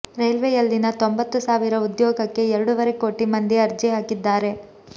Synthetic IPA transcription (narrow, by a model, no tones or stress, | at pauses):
ɾɐjlʋejɐlːinɐt̪o̞mbɐt̪ːusaːʋiɾɐud̪jɔːɡɐkːe̞ɛɾɐɽuʋɐɾe̞ko̞ːʈimɐnd̪iɐɾd͡ʒiɦaːkid̪ːaːɾe̞